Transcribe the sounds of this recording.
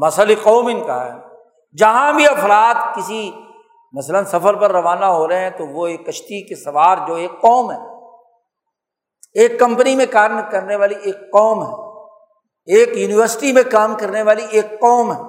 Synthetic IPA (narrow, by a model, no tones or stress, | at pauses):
mɐsəliqɔːmɪnkaɦɛ̰ː | d͡ʒɐɦãbʱiɐfɾaːt̪kɪsi | mɐslənsɐfəɾpɐɾːɐʋaːnaɦoːɾɐɦɦɛ̃t̪oʋoeːkːɐʃt̪ikesɐʋaːɾd͡ʒoːeːkqɔːmɦɛː | eːkːɐ̃mpənimẽkaːɾmkɐɾneʋaːlieːkqɔːmɦɛː | eːkjuːnɪʋəɾsɪ̥ʈimẽkaːmkɐɾneʋaːlieːkqɔːmɦɛː